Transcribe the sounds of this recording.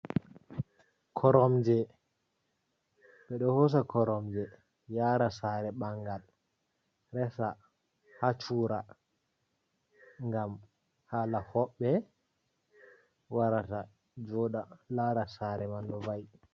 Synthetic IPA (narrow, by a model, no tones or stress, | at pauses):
kʰɔɾɔmd͡ʒɛ | ɓɛɗɔhɔs̬akɔɾɔmd͡ʒɛ | jaːɾasaɾɛɓaŋɡal | ɾɛsa | hat͡ʃuɾa | ŋɡam | haːlahɔɓːɛ | waɾata | d͡ʒɔɗalaɾasaɾɛmandɔvaj